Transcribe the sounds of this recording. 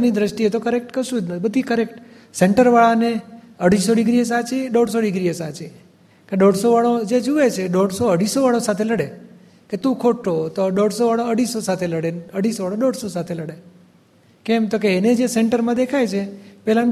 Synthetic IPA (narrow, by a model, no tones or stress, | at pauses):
nid̪ɾəʃʈiet̪okəɾek̚ʈkəɾʃũd͡ʒ̪nəbəd̪ʱikəɾek̚ʈ | seɳʈəɾʋaɭaneəɽ̤isoɖɪɡɾies̬at͡ʃeɗɔɽsoɖɪɡɾiesat͡ʃe | keɖɔɽsoʋaɭod͡ʒed͡ʒuet͡ʃʰeɖɔɽsoəɽisoʋaɭosat̪ʰeləɽe | ket̪ũkʰoʈːot̪oɖɔɽsoʋaɭoəɽisosat̪ʰeləɽeəɽ̤isoʋaɭoɖɔɽsosat̪ʰeləɽe | kɛmt̪ok̬eːned͡ʒeseɳʈəɾmãd̪ekʰajt͡ʃʰepɛɦlãn